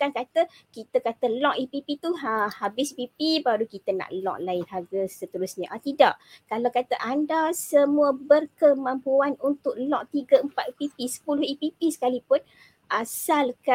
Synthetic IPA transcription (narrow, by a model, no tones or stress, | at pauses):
kankat̪əkit̪əkat̪əlɔʔipipit̪uɦəhabɪspipibaɾukit̪əna̰ʔlɔ̰̃ʔlaɪnɦaɡəsət̪əɾʊsɲaʔat̪ida̰ʔkalawkat̪əʔandasəmuəbərkəmãmpuanunt̪ʊk̚lɔʔt̪iɡəəmpat̪ipipisə̥pulʊhipipisə̥kalipʊn | ʔasalka